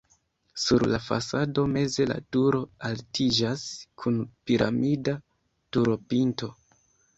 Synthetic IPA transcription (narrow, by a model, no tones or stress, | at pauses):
suɾlafa̰sado̞me̞ze̞la̰tuɾo̞altid͡ʒaskʰunpiɾʔa̰mida | tuɾo̞pinto̞